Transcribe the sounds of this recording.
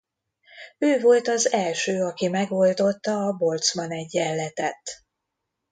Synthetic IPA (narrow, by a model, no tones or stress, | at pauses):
øːvo̞lt̪ɒzɛlʃøːɒkimɛɡo̞ld̪o̞t̪ːɒːbo̞lt̪smɒnɛɟːɛlːɛt̪ɛt̪